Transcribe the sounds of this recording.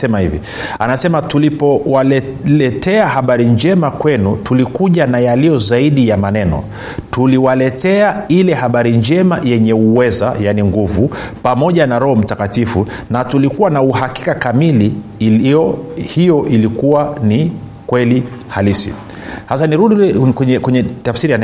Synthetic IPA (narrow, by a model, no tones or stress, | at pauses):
sɛmahḭvḭ | a̰nasɛmatulipɔwa | lɛtɛahaɓaɾind͡ʒɛmakwɛnutulikuʄanajalijɔzaiɗijamanɛnɔ̰ | tuliwalɛtɛailɛhaɓaɾiɲd͡ʒɛmajɛɲɛuwɛza̰janiŋɡuvu | pamɔʄanaɾɔhɔm̩takatifu | natulikuwanauhaki̥kakamili | hijɔʔilikuwani | kwɛli | halisḭ | hasaniɾuɗikwɛɲɛkwɛɲɛtafsiɾijan